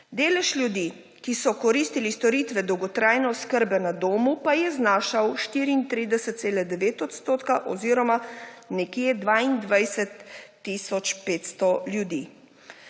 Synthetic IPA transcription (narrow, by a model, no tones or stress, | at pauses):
d̪eːlɛʃlʲjud̪i | kisɔkɔɾiːst̪ilist̪ɔɾiːt̪ʋɛd̪ɔwɡɔt̪ɾaːjnɔskəɾbɛnad̪oːmupajɛznaːʃawʃt̪iːɾiːnt̪ɾiːd̪ɛsɛt̪t̪seːlɛd̪ɛʋeːt̪ɔt̪st̪oːt̪kaʔɔ̰ziːɾɔmanɛkjed̪ʋaːind̪ʋajsɛt̪ː | isɔt͡ʃpeːt̪st̪ɔljud̪iː